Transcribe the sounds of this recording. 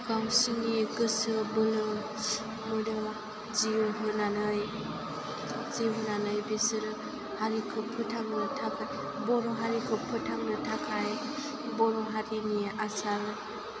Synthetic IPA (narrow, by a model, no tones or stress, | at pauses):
kamsiŋiɡɯsɯbɯlɯ | mɯdɯ | ziuɦɯnanɯj | ziɦɯnanɯjbisɯɾɯ | haɾikʰɯpʰɯtʰaŋnɯtʰakʰaj | bɔnɔɦaɾikʰɯpʰɯtʰaŋnɯtʰakʰaj | bɔnɔɦaɾiniʔasal